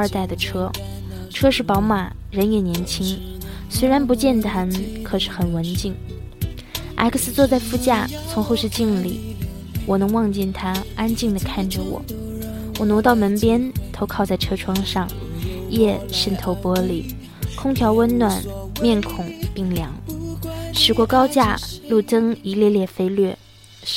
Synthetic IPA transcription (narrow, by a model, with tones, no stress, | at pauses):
ə˞˥˧t̪a˥˩ɪd̪ə˩ʈ͡ʂʰɤ˥ | ʈ͡ʂʰɤ˥ʂɻ̩˥˩pɑ˧˥ʊma˨˩ | ɻə˧˥njɛ˨˩njɛ˧˥nt͡ɕʰi˥ŋ | swe˥ɪɻa˧˥np̬u˧˥t͡ɕjɛ˥˩nt̪ʰa˥nkʰɤ˨˩ʂɻ̩˥˩xə˨˩nwə˧˥nt͡ɕi˥˩ŋ | ʔa̰˧˥ɪkʰə˧˩sɹ̩˧t͡swɔ˥˧t͡sa˥˧ɪfu˥˧t͡ɕja˥˩t͡sʰʊ˧˥ŋxo˥˧ʂɻ̩˥˧t͡ɕi˥˧ŋlḭ˨˩ | wɔ˨˩nɤ˧˥ŋwɑ˥˧ŋt͡ɕɛ˥˩nt̪ʰa˥a˥nt͡ɕi˥˩ŋd̪ə˩kʰa˥˩nʈ͡ʂə˩wɔ̰˨˩˦ | wɔ˨˩nwt̪ɑ˥˩ʊmə˧˥npjɛ˥nt̪ʰo˧˥ʊkʰɑ˥˧ʊt͡sa˥˩ɪʈ͡ʂʰɤ˥ʈ͡ʂʰwɑ˥ŋʂɑ˥˩ŋ | jɛ˥˩ʂə˥˩nt̪ʰo˧˥ʊpwɔ˥lḭ˨˩ | kʰʊ˥ŋt̪ʰjɑ˧˥ʊwə˥nnwa˨˩nmjɛ˥˩nkʰʊ˨˩ŋpi˥˩ŋljɑ˧˥ŋ | ʂɻ̩˧˥kwɔ˧˥kɑ˥ʊt͡ɕja˥˧lu˥˩ʈ͡ʂɤ˥ŋi˧˥ljɛ˥˧ljɛ˥˩fe˥ɪlɥɛ˥˩